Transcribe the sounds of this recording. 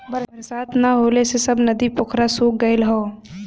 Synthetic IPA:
bɐɾsaːt̪naɦoːlesesɐbnɐd̪ipʊkʰɾasuːk̚ɡəɪlɦoː

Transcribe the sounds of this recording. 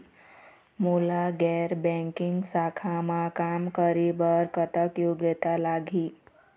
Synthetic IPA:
molaɡɛɾbɛ̃ŋkɪŋɡsakʰamãkamkəɾibəɾkət̪əkjoɡet̪alaɡʱi

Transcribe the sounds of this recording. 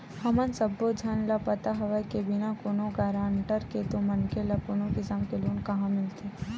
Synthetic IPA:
hɐmənsɐbːod͡ʒʱanlapɐt̪aɦɐʋakebɪnakoːnõɡaːɾãːɳʈəɾket̪omɐnkelakonõɡɪsaːmkeluːnkɐɦãmɪlt̪e

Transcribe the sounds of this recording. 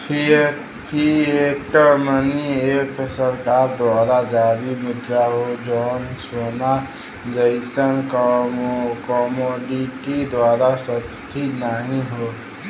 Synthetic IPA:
pʰi | pʰiekʈəɾmənieksəɾkaːɾd̪waːɾad͡ʒaːɾimɪt̪jaɦod͡ʒɔːnswəna | d͡ʒəɪsənk | kɔmoɖiʈid̪waːɾasə | t͡ʃʰinəɦĩɦo

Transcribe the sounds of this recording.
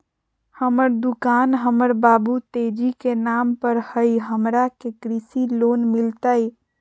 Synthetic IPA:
həməɾd̪ukanɦəməɾbabut̪ed͡ʒikenampəɾhəjɦəmɾakekɾisilonmilt̪əj

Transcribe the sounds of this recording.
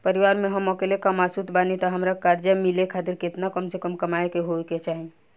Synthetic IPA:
pəɾiʋaɾmeɦəmɔkelekamasut̪ʰbanit̪ɔɦəmɾakaɾd͡ʒəmilekʰat̪ɪɾkɪt̪nakəmsekəmkəmaekeɦoeket͡ʃaɦi

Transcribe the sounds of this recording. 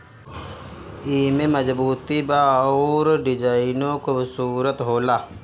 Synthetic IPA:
iːmẽːməzbuːt̪ibaːoːɾɖɪd͡ʒaːinõkobsuːɾət̪ɦoːlaː

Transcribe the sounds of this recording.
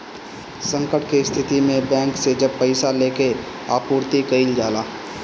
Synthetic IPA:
sə̃ŋkəʈkest̪ʰɪt̪imẽbɛ̃ːŋksed͡ʒəb̚pəɪsaleːke | aːpuːɾt̪ikəild͡ʒaːlaː

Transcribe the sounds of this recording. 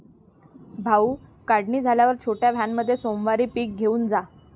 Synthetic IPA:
bʱaukaɽɳiːd͡zʱaljaʋəɾt͡ɕʰoʈjaʋʱjamːəd̪ʱːjesomʋaɾiːpiːk̚ɡʱeuːnd͡za

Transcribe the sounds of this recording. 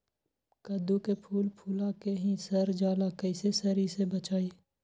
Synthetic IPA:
kəd̪ukepʰuːlpʰuːlãkeɦĩsəɾd͡ʒaːlakəɪsesəɾisebət͡ʃaːe

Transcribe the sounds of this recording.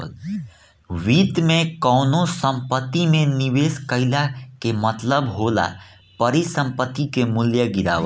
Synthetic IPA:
l | ʋiːt̪mekəːnosə̃mpət̪ːimeniweskəɪlakemət̪ləbɦola̰ | pəɾisə̃mpət̪ːikemuljəɡiɾa̰ː

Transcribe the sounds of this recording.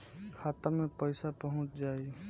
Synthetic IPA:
kʰaːt̪amẽpəɪsapəɦʊ̃t͡ʃd͡ʒaːi

